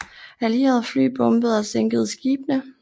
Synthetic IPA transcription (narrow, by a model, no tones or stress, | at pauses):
æliɛðˠfly̰ːb̥ɔ̽mb̥əð̩ˠɒ̽seŋɡ̥əð̞̩ˠsɡ̥iːb̥nə